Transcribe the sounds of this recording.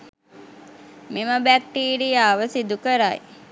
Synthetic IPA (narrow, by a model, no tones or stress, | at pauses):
miməbæk̚ʈiːɾijaːʋəsid̪ukəɾaj